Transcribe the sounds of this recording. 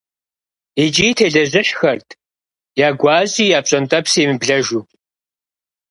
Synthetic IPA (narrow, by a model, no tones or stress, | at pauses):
it͡ʃʼiːtʰeːɮɐʑɪɕxɐrtʰ | jaːɡʷɑːʑʼiːjaːp̚ɕʼɐntʼɐpseːmɨbɮɐʒuː